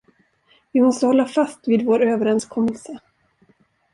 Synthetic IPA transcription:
vɪmɔst̪əhɔlːafast̪viːd̪voːɾøːvəɾɛnskʰɔmːəlsə

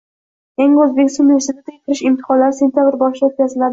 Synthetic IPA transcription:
eŋʲɵzbekʲɪst̪ɔnunivʲe̞ɾsit̪et̪ɪɡʲɪk̪ʲʰɪɾɪʃɪmt̪ʰɪ̥χɒnlaɾɪse̞nt̪ʲjabɪɾbɒʃɪd̪aot̪̚kʲazɪlaɾd̪ɪ

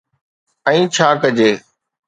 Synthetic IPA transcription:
ə̃ĩːt͡ʃʰaːkəd͡ʒeː

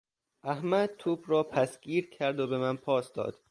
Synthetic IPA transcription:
ʔæhmæd̪̚t̪ʰuːbɾɒːpʰæsɡ̥ʲiːɾcʰæɾd̪obe̞mænpʰɒːsd̪̥ɒ̰ːd̪̥

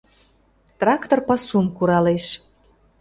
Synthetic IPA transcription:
t̪rɑkt̪orpɑsumkuɾɑleʃ

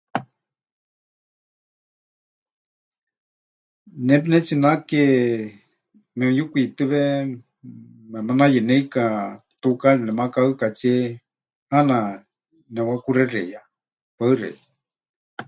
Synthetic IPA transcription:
nep̬ɨnet͡ʃinake | mẽũjukʷit̪ɨβe | memanajeneika | t̪ukalnɛmakaɨkat͡ʃie | ana | nɛwakuɾerḛja | paɨrḛa

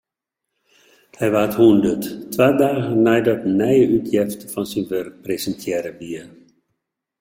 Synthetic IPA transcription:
hɛjʋaːthundərtːʋaːdaːɣənajdɔtnɛjəʔytʰjɛftəfɔnsinʋør̚presəntʰjɛɾəbiən

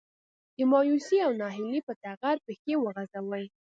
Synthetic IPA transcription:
d̪əmɑjusiawnɑɦɪlipət̪aɣaɾpexkewəɣazawəj

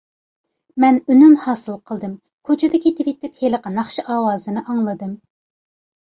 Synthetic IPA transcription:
mɛnynymhɑːsɨlˠqʰəlˠd̪ɨm | kʰot͡ʃʰɪd̪ɛkʲʰet̪ɪpit̪ɪpheləqənɑχʃiʔɑːwɑːzɨnɨʔɑŋlˠɨd̪ɨm

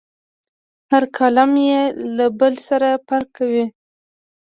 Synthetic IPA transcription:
haɾkʰɑlamjelabəlsaɾapaɾkːawi

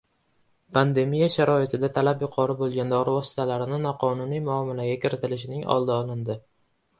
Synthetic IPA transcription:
pʰand̪e̞mijaʃaɾɒɪt̪ʰɪd̪at̪ʰalapjʊqʰɒɾɪbolˠɡʲand̪ɒɾɪwɒsɪ̥t̪ʰalaɾɪnɪnɒqʰɒnʊnijmʊɒmalaɡʲakʲʰɪɾɪt̪ʰɪlɪʃ̬ɪnɪŋɒ̰lˠd̪ɪɒlˠɪnd̪ɪ

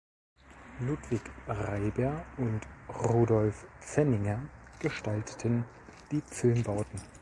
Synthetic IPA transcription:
lutv̥ɪkʁaɪbɛɐʊntʁuːdɔlft͡sɛnɪŋɐɡ̥əʃtaltə̥tʰən | d̥iːp͡fɪlmbaʊtn̩

